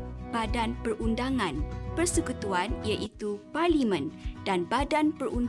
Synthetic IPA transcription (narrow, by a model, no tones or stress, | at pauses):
b̥adanpərʔundaŋãnpərsəkut̪uanijaʔit̪uparlimə̃ndanbadanpərʔun